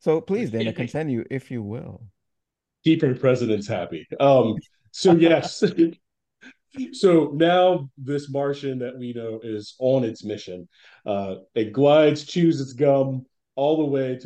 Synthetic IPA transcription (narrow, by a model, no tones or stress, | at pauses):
soʊpʰl̥izðɨ̃nɨkʰɨ̃ntʰɪ̃njɨʔɪfjɨwɪ̰lˠ | d̥ipɨ̃npʰɹ̥ɛzɨɾɨ̃ntshæ̰piʌ̃mː | oʊjɛs | soʊnaʊðɪsmɑɹʃɨ̃nðɨt̚winoʊɪzə̃nɨtsmɪʃɨ̃n | ʔʌɨt̚ɡ̥laɪdz̥t͡ʃʰʉzɨtsɡ̥ʌ̃m | ɔlˠðəweɪɾ